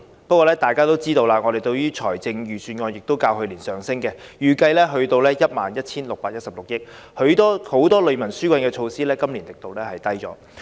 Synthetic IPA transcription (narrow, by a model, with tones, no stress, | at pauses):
pɐ˥kʷɔː˧lɛː˥t̪aː˨jkaː˥t̪o˥wt͡siː˥t̪o˧wlaː˧ŋɔ˨˧e˨jt̪ɵ˧ɥɥyː˥t͡ʃʰɔː˨˩jt͡sɪ˧ŋjyː˨˩syː˧nŋɔː˧njɪ˨k̚t̪o˥wkaː˧wɦɵ˧ɥliː˨˩nsœː˨ŋsɪ˥ŋkɛː˧jyː˨˩kɐ˧jlɛː˥ɦɵ˧ɥt̪o˧wlɛː˥jɐ˥t̚maː˨njɐ˥t̚t͡sʰiː˥nlʊ˨k̚paː˧t̚jɐ˥t̚sɐ˨p̚lʊ˨k̚jɪ˥k̚hɵ˨˧˥t̪ɔː˥ho˨˥wt̪ɔː˥lɵ˨˧ɥmɐ˨˩nsyː˥kʷwʷɐ˧nkɛː˧t͡ʃʰo˧wsiː˥lɛː˥kɐ˥mli˨˩nt̪ɪ˨k̚t̪o˨wlɛː˥hɐ˨jt̪ɐ˥jt͡ʃɔ̰ː˨˥